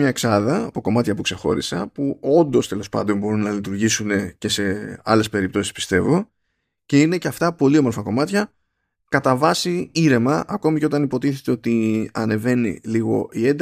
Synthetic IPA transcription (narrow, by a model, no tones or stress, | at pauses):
ɲɐeksɐðɐːpo̞ko̞mɐt̪çɐpukse̞xo̞̰ɾḭsɐpuo̞nd̪o̞st̪e̞lo̞spɐ̰nd̪o̞nbo̞ɾunːɐlit̪uɾʝisune̞ce̞se̞ɐle̞spe̞ɾip̚t̪o̞si̥spi̥st̪e̞vo̞ | ce̞ine̞ce̞ɐft̪ɐpo̞lio̞mofɐko̞mɐt̪çɐ | kɐt̪ɐvɐsiiɾe̞mɐʔɐko̞miceo̞t̪ɐnipo̞t̪iθe̞t̪e̞o̞t̪iɐne̞ve̞nḭliɣo̞̰ʔie̞nd̪